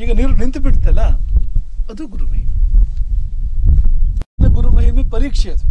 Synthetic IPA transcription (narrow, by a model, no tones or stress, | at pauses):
iːɡɐniːɾunint̪biɽt̪ɐla | ɐd̪uɡuɾumɐɦimi | neɡuɾuːmɐɦimiːpɐɾiːkʂeɐt̪u